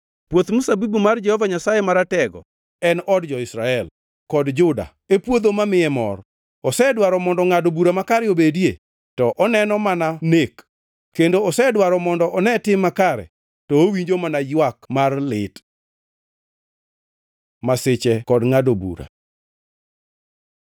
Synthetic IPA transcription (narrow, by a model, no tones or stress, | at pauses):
pwot̪musabibumard͡ʒɛhɔvaɲasajemaɾatɛɡɔ̰ | ɛnɔdd͡ʒɔɪsɾaɛl | kɔdd͡ʒʊda̰ | epwod̪omamɪɛmɔ̰r | ɔsɛdwaɾɔmɔndɔŋadobuɾamakaɾɛobedje | tɔʔɔnɛnɔmananek | kendoɔsɛdwaɾɔmɔndɔʔɔnɛtɪmːakaɾɛ̰ | tɔowiɲd͡ʒomanajwakmarlɪt | masɪt͡ʃɛkɔdŋadobṵɾa̰